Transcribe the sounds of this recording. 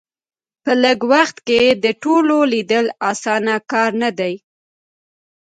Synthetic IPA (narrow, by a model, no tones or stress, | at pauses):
pələɡwaxt̪ked̪əʈololid̪əlɑsɑnakɑɾnad̪aj